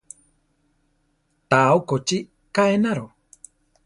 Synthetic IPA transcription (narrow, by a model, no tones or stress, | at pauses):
t̪aokot͡ʃi | kaenaɾo